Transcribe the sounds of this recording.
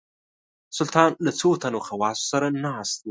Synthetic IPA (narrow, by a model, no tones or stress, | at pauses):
sʊlt̪ʰaːnlɐt͡sʰuwt̪ʰɐnuxɐwaːsu̥sɐɾɐnːaast̪i